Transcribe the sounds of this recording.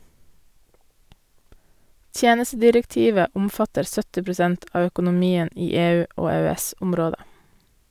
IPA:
ˈtjeːnəstədɪɾɛkˌtiːʋə ˈʊmfɑtəɾ ˈsœtɪ pɾʊˈsɛnt ˈɑː œkʊnʊˈmiːən ˈiː ˈeːˌʉː ˈoː eːøːˈɛsʊmˌɾoːdə

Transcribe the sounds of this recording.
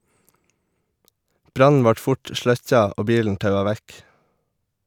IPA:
ˈbɾɑnn̩ ˈʋɑʈ ˈfʊʈ ˈʃlœc͡çɑ ˈoː ˈbiːln̩ ˈtɑʉɑ ˈʋæk

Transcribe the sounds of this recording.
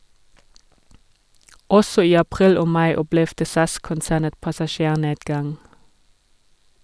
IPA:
ˈɔsɔ ˈiː ɑˈpʁiːl ˈoː ˈmɑɪ ˈɔplɛʋdə ˈsɑskʊnˌsæːnə pɑsɑˈʃeːˌneːdɡɑŋ

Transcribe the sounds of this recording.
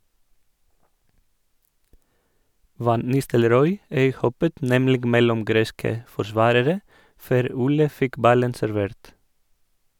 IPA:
ˈʋɑn ˈnɪstəlˌɾɔʏ ˈœʏˌhɔpət ˈnɛmlɪɡ ˈmɛlɔm ˈɡɾeːskə fɔɾˈsʋɑːɾəɾə ˈføːɾ ˈuːlə ˈfɪk ˈbɑlən sæɾˈʋeːɾt

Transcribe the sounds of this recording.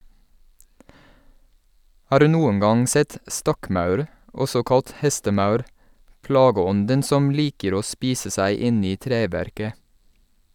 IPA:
ˈhɑːɾ ˈʉː ˈnuːəŋ ˈɡɑŋ ˈsɛt ˈstɔkˌmɑʉɾ ˈɔsɔ ˈkɑlt ˈhɛstəˌmɑʉɾ ˈplɑːɡəˌɔndən ˈsɔm ˈliːkəɾ ˈoː ˈspiːsə ˈsæɪ ˈɪn ˈiː ˈtɾeːʋæɾkə

